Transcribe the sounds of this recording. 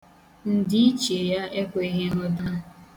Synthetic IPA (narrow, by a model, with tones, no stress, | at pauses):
n̩˨dɪ˦i˦t͡ʃe˨ja˦e˦kʷe˦ɦe˦ɦɔ˦da˦